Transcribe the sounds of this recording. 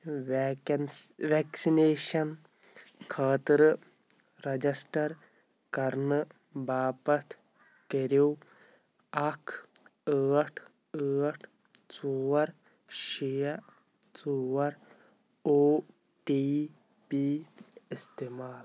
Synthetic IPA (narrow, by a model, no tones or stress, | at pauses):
ʋɛːksineːʃɐn | kʰaːt̪ɾ | ɾɐd͡ʒɐsʈɐɾ | kɐɾnɨ | baːpɐt̪ | keɾoː | ɐkʰ | əːʈʰ | əːʈʰ | t͡suːɐɾ | ʃijɐ | t͡suːwɐɾ | oː | ʈiː | piːɪst̪eːmaːl